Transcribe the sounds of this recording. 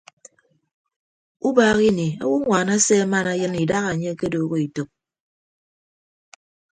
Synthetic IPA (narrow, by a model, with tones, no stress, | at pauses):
u˦baː˦ɣi˦ni˨a̰˦wu˦ŋʷa˨na˦se˦ma˦na˦jɨ˦ni˨da˦ɣa˨ɲe˦ke˦doː˨ɣo˦i˨to˨k̚